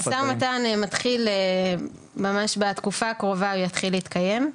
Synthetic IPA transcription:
tamat̪anmat̪χile | mamaʃbat̪kufaːkʁo̞vaujat̪χileit̪kaje̞m

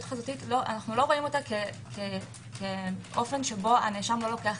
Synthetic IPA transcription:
utχazotitlo̞ʔa̰naχnulo̞ʁo̞imo̞take | kʰe | kʰeʔo̞fe̞nʃe̞bo̞a̰neʃamlo̞lo̞ke̞aχ

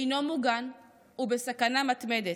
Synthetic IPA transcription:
no̞muɡan | ubesakanamat̪med̪e

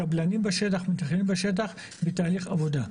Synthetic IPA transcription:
ablanimbeʃet̬aχmitaχelimbeʃet̬aχ | betaːliχavo̞da

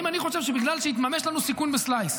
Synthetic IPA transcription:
imaniχo̞ʃevʃ̬ebiɡlalʃeit̪mame̞ʃlanusikunbeslajs

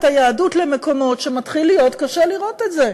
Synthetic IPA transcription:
tajaːdutle̞meko̞mo̞tʃe̞matχilːijo̞tkaʃeliʁo̞tetze̞

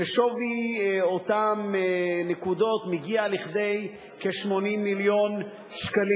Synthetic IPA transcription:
eʃoviotamnekud̪o̞tmiɡialiχd̪e̞j | keʃmo̞nimːiljo̞n | ʃkali

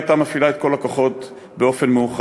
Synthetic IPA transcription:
at̪amafilaet̪ko̞lakoχo̞t | beo̞fe̞nmeuχ

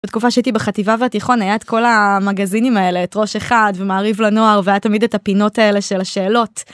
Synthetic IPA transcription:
betkufaʃeait̪ibeχativaveatiχo̞najaetko̞lamaɡazinimae̞le̞ːtʁoʃe̞χadvemaːʁivlano̞aʁveajatamide̞tapino̞taele̞ʃe̞laʃe̞ːlo̞t

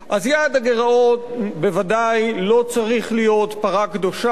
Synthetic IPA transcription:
ʔazjad̪aɡe̞ʁao̞tbe̞vadajlo̞t͡saʁiχlijo̞tpaʁakdo̞ʃa

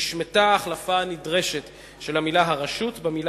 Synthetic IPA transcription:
ʃmetaːχlafanidʁe̞ʃe̞t | ʃe̞lhamilaɦaʁaʃutbemila

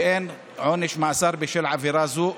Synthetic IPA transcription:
ʔeːn | ʕoːnɪʃmaʔsɑːɾˤbiʃɪlʕafiɾˤɑzuːʔ

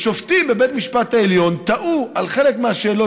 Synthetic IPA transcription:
ʃoftimbe̞be̞tmiʃpataeljo̞nt̪aʔuʔalχe̞lekmeaʃe̞ːlo̞

